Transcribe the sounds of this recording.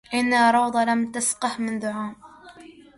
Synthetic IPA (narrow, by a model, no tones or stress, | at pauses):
ʔɪnːaɾˤɑwd̪ˤɑlamt̪asqɑhmɪnd̪ʊʕaːm